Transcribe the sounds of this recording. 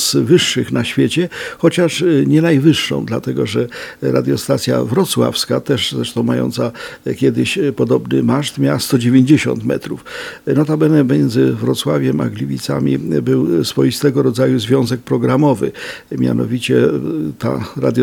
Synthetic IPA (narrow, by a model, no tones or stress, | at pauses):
svɘʂːɘxnaɕfʲjet͡ɕɛxɔt͡ɕaʂɲɛnajvɘʂːɔ̰̃w̃d̪lat̪ɛɡɔʐɛɾa̰d̪jɔst̪at̪sʲja̰vɾɔt̪swa̰fskat̪ɛʂzɾɛʂt̪ɔ̃w̃majɔ̰nt̪sakʲjɛd̪ɘɕpɔd̪ɔbnɘmaʂt̪mʲjawast̪ɔd͡ʑevʲeɲd͡ʑeɕɔ̰nt̪mɛ̰t̪ɾufnɔt̪abɛnɛpɔmʲjɛnzɘvɾɔt̪swavʲjɛma̰ɡlʲivʲit̪sa̰mʲḭbɘwsfɔjist̪ɛɡɔɾɔd̪zajuzvʲjɔ̃zɛk̚pɾɔɡɾamɔvɘ̰ | mʲja̰nɔ̰vʲit͡ɕɛt̪a̰ɾa̰d̪j